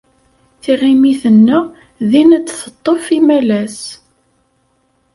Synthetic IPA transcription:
θiʁimiθənːæ | ðinət͡sːθət̪ˤːofimælæs

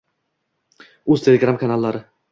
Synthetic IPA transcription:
ɵzt̪ʰe̞lʲeɡɾamkʰanalˠːaɾɪ

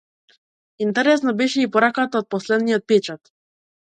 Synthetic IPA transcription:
int̪ɛɾɛs̬nabɛʃɛipɔɾakat̪aɔt̪̚pɔslɛd̪nijɔt̪̚pɛt͡ʃat̪

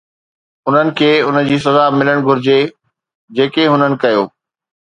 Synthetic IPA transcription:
ʊn̤ənɪ̆kʰeːʊnəd͡ʑiːsɐzamɪləɽ̃ɡʱʊɾɪd͡ʑe | d͡ʑeːkeɦʊnənɪ̆kɐjoː

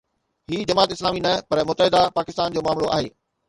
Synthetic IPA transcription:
hiːd͡ʑɐmaːt̪ɪslaːminɐpɐɾmʊt̪əɦɪd̪apaːkɪst̪aːnd͡ʑoːmaːmloʔa̰ːɦḛː

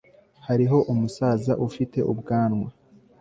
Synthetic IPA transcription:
haɾiɦo̞ʔumusaːzaʔufite̞̰ʔṵbɡaːnŋwa

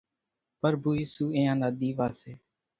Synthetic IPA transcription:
pəɾbuːiːsuːẽːãːnaːd̪iːʋaːseː

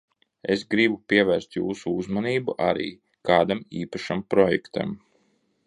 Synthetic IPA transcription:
esɡɾibupʲiɛvæːɾst̪jṵːsuuzmaniːbuʔaɾḭː | kaːd̪amiːpaʃampɾɔjɛ̰kt̪a̰m

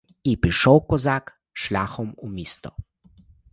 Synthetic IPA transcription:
ipɾiʃɔwkɔzak | ʃlʲaːxɔmumiːst̪ɔ

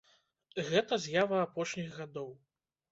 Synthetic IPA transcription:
ɣɛt̪ɐzʲjavɐapɔʂnʲiɣɣad̪ɔw

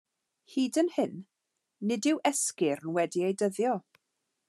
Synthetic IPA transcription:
hiːdənhɪnː | ɪdɪwʔɛskɪrnwɛdiejdəðjɔ

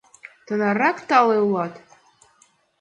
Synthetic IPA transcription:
t̪ʰanarakt̪alelat̪

